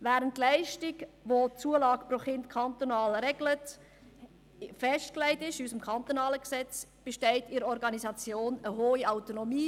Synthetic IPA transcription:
væːɾəntlæɪʃtɪɡʋot͡suːəlɑːɡpɾoχɪntkʰɑnt̪onɑːlɾɛɡ̥lət | fɛʃtklæɪtɪʃysəmkʰɑnt̪onɑːləksɛt͡sb̥eʃtɛɪtɪɾəɔɾɡɑnizɑt͡sjoːnəɦoːiaʊtonomiː

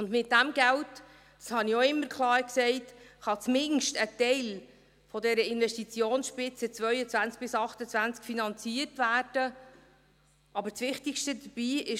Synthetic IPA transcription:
ʊndmɪt̚d̥æmɡælt | d̥ɑ̥shɑnioɪmːəɾkʰlˠɑːɾksɛɪtχɑt͡smɪnʃtətɛɪl | fɔdɛɾəɪnʋɛʃtit͡sjoːnsʃpɪt͡sət͡svœʏət͡sʋænt͡sk̚b̥ɪsɑχtət͡svænt͡skfinɑnt͡siərtvæːrd̥ə | ɑbət͡sʋɪχtikʃtədəb̥iːɪ

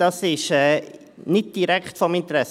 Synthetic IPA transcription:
ɑsɪʃɛː | nɪt̚d̥iɾɛkχtfɔmɪnt̪əɾɛs

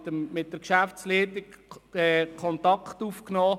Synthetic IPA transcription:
əmɪt̚dəɾkʃæft͡sliːtikɛkʰɔnt̪ɑkχt̪ufknɔː

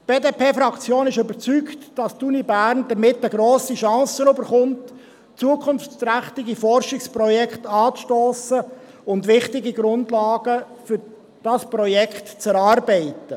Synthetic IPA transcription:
b̥eːdeːpʰeːfɾɑkt͡sjoːnɪʃʏbəɾt͡syktd̥ɑstunibæːɾnd̥əmɪtəɡɾoːsiʃɑ̃ːsənøbəɾχʊnt | t͡suəkχʊnft͡sɾæχtɪɡifɔrʃɪkspɾɔjɛkχtɑːt͡sʃtoːsə | ʊntʋɪχtɪɡiɡɾʊndlɑːɡ̥ə | fʏɾ | d̥ɑspɾɔjɛkχtt͡sɛɾɑːɾbɛɪtə

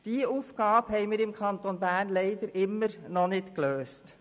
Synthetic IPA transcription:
d̥iːuːfɡ̥ɑːbhɛɪmɪːɾɪmkʰɑnt̪onbæːrnlɛɪd̪əɾʔɪmːəɾnɔnɪtkløːst

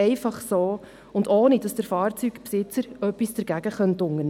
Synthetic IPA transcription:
ɛɪfɑχsoː | ʊndoːnid̥ɑsd̥əɾfɑːrt͡sykpsɪt͡səɾœpːisd̥əɾɡæɡ̥əχœntʊŋən

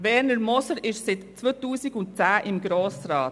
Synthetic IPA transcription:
vɛɾnəɾmɔsəɾɪʃsɪtt͡svoːtuːsɪɡʊntt͡sæːʔɪmɡɾoːsɾɑːt

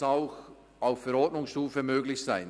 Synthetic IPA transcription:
aʊx | ʔaʊffɛɾɔtnʊŋsʃtuːfəmøːɡlɪçsaɪn

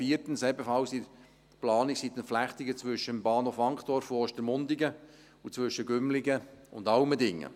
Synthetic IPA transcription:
fiːəɾtənsɛbəfɑwsiɾ | plɑːniksit̪ənflæχt̪ɪɡət͡sʋʏʃːəmbɑːnhoːfɑŋkχd̥ɔɾfoɔʃtəɾmʊnd̪ɪɡə | ut͡svʋʏʃəɡʏmlɪɡəʊndɑlmədɪŋːə̰

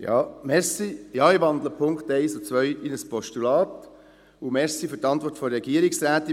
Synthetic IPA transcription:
jɑ̰ːmɛsijɑːiʋɑnd̪ləpʰʊŋkt̪eɪsɔt͡sʋœʏinəspɔʃtulɑːt̪ | ʊmɛɾsifʏɾtɑntʋɔɾtfɔɾɛɡiəɾɪksɾæːt̪i

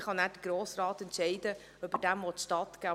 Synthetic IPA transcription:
χɑnæːɾd̥əɡ̥roːsrɑːtɛntʃɛɪdə | œbədæmvɔtʃtɑtɡ̥æː

